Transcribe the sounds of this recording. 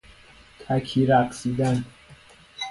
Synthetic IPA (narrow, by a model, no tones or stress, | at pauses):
t̪ʰækʲʰiːɾæqsiːd̪æn